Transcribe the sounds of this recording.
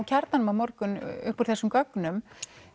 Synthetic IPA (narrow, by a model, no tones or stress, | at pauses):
wcʰɛɾt̪anʏmamɔɾkʏnʏ̰hpɔɾ̥θɛsːʏmkœknʏm